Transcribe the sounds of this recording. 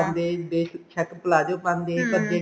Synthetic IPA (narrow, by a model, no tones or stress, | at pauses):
and̪eːb̪eːʃt͡ʃʰəkpəlaːd͡ʒoːpãːnd̪eːkəd̪eː